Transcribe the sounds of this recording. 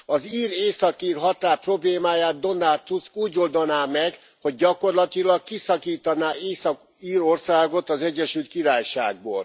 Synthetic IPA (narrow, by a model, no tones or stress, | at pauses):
ɒziːreːsɒkiːrɦɒt̪aːrpro̞bleːmaːjaːd̪̚d̪o̞nːat̪uskuːɟo̞ld̪onaːmɛɡ | ho̞ɟ̚ːɒko̞rlɒt̪ilɒkkisɒkiːt̪ɒnaːeːsɒk | iːɾo̞rsaːɡo̞t̪ɒzɛɟːɛʃylt̪̚kiɾaːjʃa̰ːɡ̚bo̰ːl